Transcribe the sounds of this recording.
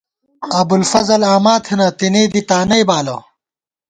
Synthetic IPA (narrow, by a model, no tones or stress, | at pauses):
ɐbulfɐzɐlaːmaːt̪ʰenɐt̪ineːd̪it̪aːnɐjbaːlo̰